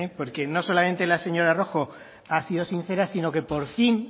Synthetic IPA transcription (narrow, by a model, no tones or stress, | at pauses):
epo̞ɾke̞no̞so̞lamẽ̞nt̪e̞lase̞ɲo̞ɾaro̞xo̞ | asið̞o̞sinθe̞ɾasino̞ke̞po̞ɾfin